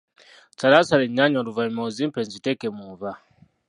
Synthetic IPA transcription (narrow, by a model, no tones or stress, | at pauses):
t͡salasaɾeɲːaɲoɾuvaimoziːmpenzitekemuva